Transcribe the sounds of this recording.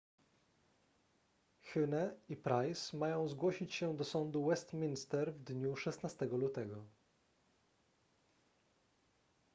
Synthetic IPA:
xʲunɛipɾajsmajɔ̃w̃zɡwɔɕit͡ɕɕɛd̪ɔsɔnd̪uwɛst̪mʲinst̪ɛɾvd̪ɲuʂɛsnast̪ɛɡɔlut̪ɛɡɔ

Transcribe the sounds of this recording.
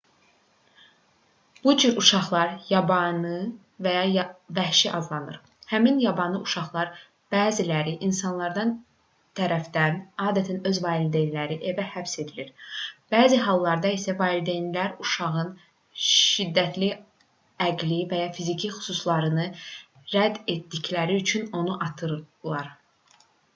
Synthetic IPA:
b̥ud͡ʒyɾuʃɑχlˠɑɾjɑbɑnɯ | væjɑjvæhʃiʔɑzlˠɑnɯɾ | hæminjɑbɑnlˠɯʔuʃɑχlˠɑɾ | b̥æːzilæɾiʔinsɑnlˠɑɾd̪ɑn | t̪ʰæɾæfd̪ænɑːd̪æt̪ʰænøzvɑːlid̪ejnilæɾiʔevæhæpse̞d̪iliɾb̥æːziɦɑlˠːɑɾd̪ɑisævɑːld̪ejnlæɾuʃɑʁɯn | ʃʃid̪ːæt̪ʰli | æɡlivæjɑfizicʰixy̥suslˠɑɾɯnɯ | ɾæd̪e̞t̪d̪içlæɾiyt͡ʃʰyno̞nuʔɑt̪ʰɯɾlˠɑɾ

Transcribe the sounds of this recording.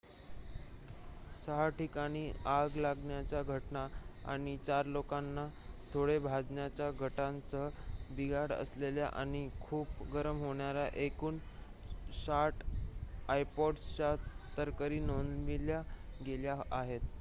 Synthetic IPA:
səɦaʈikaɽ̃iːaɡlaɡɳjat͡ɕjaɡʱəʈnaa̰ɽ̃it͡ɕaɾlokanːat̪ʰoɽebʱad͡zɳjat͡ɕjaɡʱəʈãnt͡səbiɡaɽə̰slelja̰ʔa̰ɽ̃ikʰuːpɡəɾəmɦoɳjaɾaʔekuːn | saʈʰ | ajpɔɖst͡ɕat̪əɾkəɾiːnonʋiljaɡeljaaɦet̪

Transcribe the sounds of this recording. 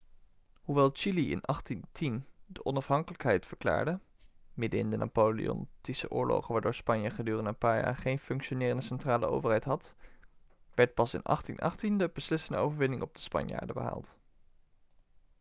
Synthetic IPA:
huʋɛlˠt͡ʃiliɪ̰nɑχtintindəʔɔnɑfɦɑŋkələkɦɛjtfəɹkla̰ːɹdə | mɪdəɪ̰ndənʔa̰polḭɔ̰ntisəʔʊ̰ːɹlo̰χənʋaːɹdʊːɹspɑɲjəχədyːrəndənpaːɹja̰ːɹχejnfɵŋkʃonɪːrəndəsɛntraːlə̰o̰wvəɹɦɛjtɦɑt | ʋɛɹt̚pɑsɪ̰nɑ̰χtḭnʔɑ̰χtindəb̥əslɪsəndəowvəɹʋɪnɪŋɔb̚dəspɑ̰ɲja̰ːɹdəbə̰ɦa̰ːlˠt

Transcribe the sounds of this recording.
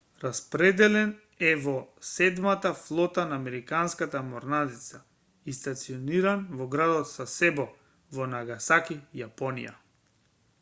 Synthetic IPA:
ɾaspɾɛd̪ɛlɛn | ɛvɔsɛd̪mat̪aflˠɔt̪anaːmɛɾikanskat̪amɔɾnad̪it̪sa | ist̪at̪siɔniɾanvɔɡɾad̪ɔt̪sasɛbɔ | vɔnaɡasakijapɔnḭja̰

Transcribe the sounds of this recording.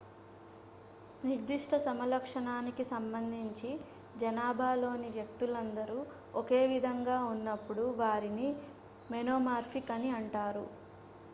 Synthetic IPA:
niɾd̪iʂʈʰɐsɐmɐlɐkʂɐɳaːnikisɐmbɐnd̪ʱiɲt͡ʃi | d͡ʒɐnaːbʱaːlo̞ːniʋjɐkt̪ulɐnd̪ɐɾu | ɔke̞ːʋid̪ʱɐŋɡaːunːɐpːuɽuʋaːɾini | mɛnoːmaːɾpʰikɐniɐɳʈaːɾṵ

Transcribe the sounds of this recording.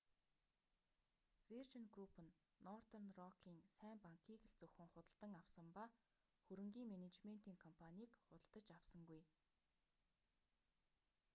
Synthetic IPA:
vert͡ɕə̆nɡrupə̆nː | ɔrt̪ɔrnrɔkʰiːnsæːmpaŋkʰiːk̆ɬt͡sɵwxɘ̆ŋχʊt̪ə̆ɮt̪ə̆ŋawsə̆mpa | xɵɾɵ̆ŋɡʲiːŋmenet͡ɕmen̥t̪iːŋkʰɔmpʰanʲiːkχʊt̪ə̆ɮt̪ə̆t͡ɕawsə̆ŋɡuj

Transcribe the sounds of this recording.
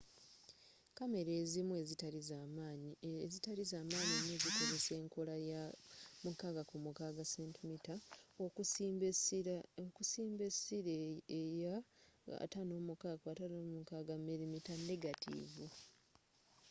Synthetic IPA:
kame̞ɾe̞ːzimue̞zitaɾizaːmaɲezitaɾizaːmaːɲeneːziko̞ze̞se̞ːŋkolajamukaɡakumukaɡaseːntimitaokusokusiːmbe̞siɾejaa̰tano̞ːmukaɡatanoːmukaɡamːeɾimitanːe̞ɡatʰḭvu

